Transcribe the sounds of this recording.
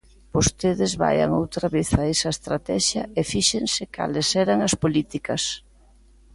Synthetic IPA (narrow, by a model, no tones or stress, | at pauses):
b̥ost̪eðɪzβa̰jɐ̰ŋo̰wt̪ɾaβeθɐɛsɐest̪ɾat̪ɛʃjɐefiʃeŋsɪka̰lɪsɛɾɐŋɐspolit̪ikɐs